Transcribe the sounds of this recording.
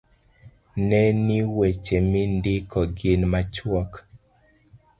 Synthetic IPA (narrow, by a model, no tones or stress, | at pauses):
nɛniwet͡ʃemɪndɪkɔɡɪnmat͡ʃwɔk